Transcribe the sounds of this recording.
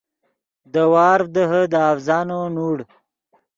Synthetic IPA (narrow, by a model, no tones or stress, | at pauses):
d̪əwɑːɾfd̪əɦəd̪əafzɑːnonuːɽ